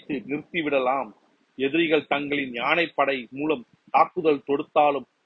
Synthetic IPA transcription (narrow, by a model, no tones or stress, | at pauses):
t̪ːɯnɪɾt̪ːɪʋɪɽɐlaːm | ɛðɪɾɪɣɐɭt̪ɐŋɡɐɭɪnɲaːnɐɪpːɐɽɐɪmuːlɐm | t̪aːpːɯðɐɭt̪ɔɽɯt̪ːaːlɯm